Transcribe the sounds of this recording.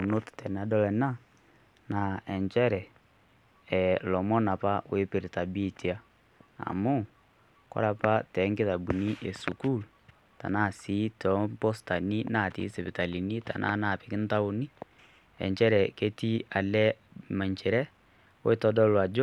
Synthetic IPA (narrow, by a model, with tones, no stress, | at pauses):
u˨no˦ttɛ˨na˨˦dɔ˦lɛ˨na˦ | na˨ɛ˨ɲt͡ʃɛ˦ɾɛ˨ | lɔ˨mɔ˦na˨pa˦we˦pe˨ɾe˨ta˨bi˦ti˨a˦ | a̰˨mo˦ | kɔ̰˦ɾa˨pa˦tɛ˨˦ŋɡe˦ða˨bu˨ni˦ʔe˨su˨ku˦l | ta̰˨na˦˨si˨˦tɔ˨˦mbɔ˦sta˨ni˦na˦˨tḭ˨˦se˨βi˨ta˨li˨ni˦ta̰˨nʔa̰˦na˦˨pi˨ki˦nta˦u˦ni˦ | ɛ̰˨ɲt͡ʃɛ˦ɾɛ˨ke˦ti˦a˨lɛ˦ | ma˨ɲt͡ʃɛ˨ɾɛ˦ | wo̰˦e˦tɔ˦dɔ˦lwa˨d͡ʒɔ˦